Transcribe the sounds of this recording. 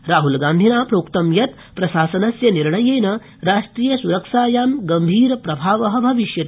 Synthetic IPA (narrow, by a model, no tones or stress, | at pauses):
ɾaːɦulɡaːnd̪ʱinaːpɾoːkt̪ɐmjɐt̪ | pɾɐʃaːsɐnɐsjɐniɾɳɐjeːnɐ | ɾaːʂʈɾiːjɐsuɾɐkʃaːjaːmɡɐmbʱiːɾɐpɾɐbʱaːʋɐɦɐbʱɐʋiʃjɐt̪i